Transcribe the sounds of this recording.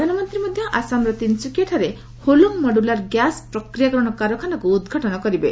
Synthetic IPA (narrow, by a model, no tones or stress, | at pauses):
d̪ʱanɔmɔnt̪ɾimɔd̪ʱjɔʔasamɾɔt̪insikeʈʰɔɾe | holuŋmɔɖulaɾɡjaspɾɔkɾijakɔɾɔɽ̃ɔkaɾɔkʰanɔkuːd̪ɡʱaʈɔnɔkɔɾibe